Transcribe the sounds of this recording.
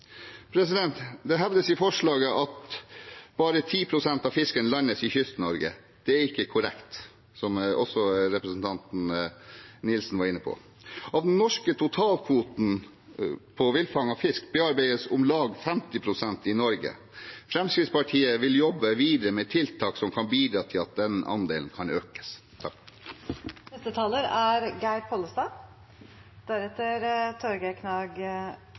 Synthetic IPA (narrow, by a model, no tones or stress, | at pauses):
pʰɾɛsɪd̪ɛnt̪d̪ɛɦɛʋd̪əsɪfɔʂɭɑːɡəʔɑt̪ | b̥ɑːɾət̪ʰiːpʰɾʊsɛnt̪ɑʋfɪskənlɑnːəsɪçʏst̪nɔɾɡə̰ | d̪̥ɛæɾɪkːəkʰʊɾɛ̰kt̪ | sɔmɔsːɔɾɛpɾəsn̩t̪ʰɑnt̪n̩ | nɪlsn̩ʋɑɾɪnːəpʰɔ̰ | ʔɑʋd̪nnːɔʂkət̪ʰʊt̪ʰɑːlkʰʋuːt̪n̩ | pʰɔʋɪlfɑŋɑfɪskbeɛɑɾbæɪəsʊmlɑːɡfɛmt̪ɪpʰɾʊsɛnt̪ɪnɔɾɡə̰ | fɾɛmskɾɪt̪spɑʈʰiːəʋɪljɔbːəʋiːd̪əɾəmɛːt̪ʰɪlt̪ʰɑːksɔmkʰɑnbiːd̪ɾɑːt̪ʰɪlɑt̪̚d̪ɛnɑ̰nd̪eːln̩kʰɑnøːkə̥s | t̪ʰɑk | nɛst̪ət̪ʰɑːləɾæɾɡæɪɾpʰɔːləst̪ɑː | d̪̥æɾɛt̪ːəɾt̪ʰɔɾɡəkʰnɑːɡ